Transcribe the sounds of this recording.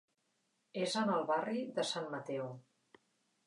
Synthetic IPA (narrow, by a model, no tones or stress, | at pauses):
ezənəlˠβariðəsanmət̪ɛw